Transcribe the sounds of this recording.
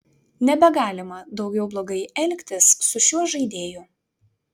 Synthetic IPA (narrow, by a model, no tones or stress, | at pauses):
nʲɛbʲɛɡɑːlʲɪmɐd̪ɒʊɡʲɛʊblˠoːɡɐɪɛlʲkʲt̪ʲɪsːʊʃʲuɔʒɐɪd̪ʲeːjʊ